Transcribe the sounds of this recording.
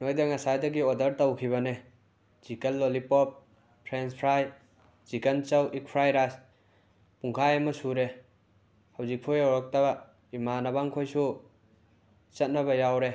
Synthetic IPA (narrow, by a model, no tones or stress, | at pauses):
nojdeŋasajdɐɡiodɐɾtɐwkʰiβɐne | z̥ikɐlːolipɔp̚ | pʰɾenspʰɾaj | z̥ikɐnt͡ʃɐwʔik̚pʰɾajɾas | puŋkʰajemɐsuɾe | hawzik̚pʰujawɾɔk̚taba | imanabaŋkʰojsu | t͡ʃɐt̚nɐβɐjawɾe